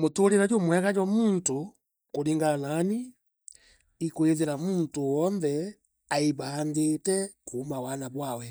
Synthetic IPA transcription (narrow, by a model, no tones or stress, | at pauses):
mutuliɾaɟumwhɛkaɟwamuntu | kuliŋɡanani | kuiziɾamuntuwɔnðɛ | aibaːnditɛkuhːmawanabwawɛ